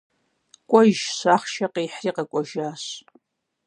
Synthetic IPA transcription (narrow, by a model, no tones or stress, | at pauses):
kʷʼɔʒɕaːχʃɐqiːħriːqɐkʷʼɔʒaːɕ